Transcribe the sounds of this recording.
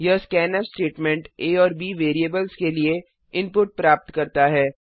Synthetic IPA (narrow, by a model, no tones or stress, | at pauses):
jɐskɛːnəsʈeːʈmɛ̃ɳʈeːɔːɾbiːʋeːɾiəbəlzkelie | ɪ̃mpʊʈ̚pɾaːp̚t̪kɐɾt̪aɦɛː